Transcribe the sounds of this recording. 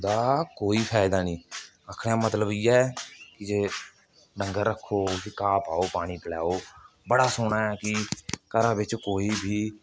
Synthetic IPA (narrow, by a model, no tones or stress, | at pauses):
d̪aːkoːiːpʰaːɪd̪aːnĩː | aːkʰɽejãːmət̪ləbiːɛːkɪd͡ʒeː | ɖəŋɡəɾːəkʰːoːkɪkaːpaːoːpaːɽ̃iːpəlɛːoː | bəɽaːsʊɳaːɛːkɪkəɾãːbɪt͡ʃkoːiːbʱiː